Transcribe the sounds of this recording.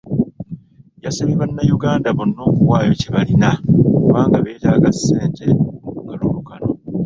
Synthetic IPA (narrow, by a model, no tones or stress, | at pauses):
jasaβiβanːajuɡaːndaβonːo̞ːkuwaːjo̞ciβalinakkuβaːŋɡaβe̞ːtaːɡasːe̞ːnte̞ŋɡalulukano